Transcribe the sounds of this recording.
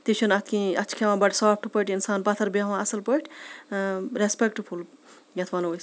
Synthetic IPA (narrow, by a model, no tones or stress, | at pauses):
t̪it͡ʃʰunɐt̪ʰkĩɐt͡ʃʰkʰeʋãːbɐʈsaːp̚ʰʈupəʈinsaːnpɐt̪ʰɐɾbeʋãːɐsɐlpəʈʰ | ɾespek̚ʈpʰul | jɐt̪ʰʋanojs